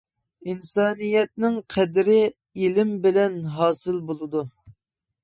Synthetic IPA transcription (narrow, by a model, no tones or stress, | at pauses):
insɑːnijɛt̪̚nɪŋqʰɛd̪ɾɪ | ilɪmbɪlɛnɦɑːsɨlbolˠɨd̪u